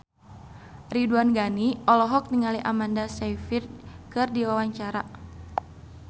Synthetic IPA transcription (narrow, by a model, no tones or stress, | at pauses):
riduanɡaniʔɔlɔɦɔk̚niŋaliʔamandasajfirkɨrdiwawaɲt͡ʃaɾa